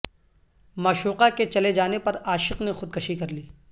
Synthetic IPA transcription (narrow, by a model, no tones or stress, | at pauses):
maːʃuːqaket͡ʃɐled͡ʒaːnepɐɾaːʃɪqnexʊd̪̚kɐʃikɐɾliː